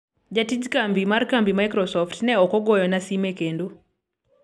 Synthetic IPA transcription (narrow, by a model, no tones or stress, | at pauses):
d͡ʒatid͡ʒkambimarkambimajkɾɔsɔftnɛɔkɔɡɔjɔnasimekendo